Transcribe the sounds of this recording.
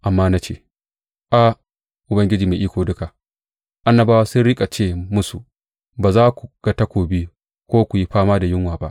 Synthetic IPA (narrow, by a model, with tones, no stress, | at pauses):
ʔa˨mːaː˦na˦t͡ʃḛː˦˨ | ʔa˨ | ʔʊ˨bɐ˦ŋɡʲɪ˦d͡ʒiː˨meː˨ʔiː˦kʷoː˨dʊ˦ka˨ | ʔa˦nːɐ˨baː˦waː˦sʊ˦nɽɪ˦kʼa˨t͡ʃeː˦˨mʊ˦su˨ | baː˨zaː˦kʷu˨ɡ̥a˦tɐ˦kʷoː˨bi˦ | kʷoː˦kʷu˨ji˦ɸaː˦maː˦da˨jɪ˦ŋwaː˨ba˦ʔ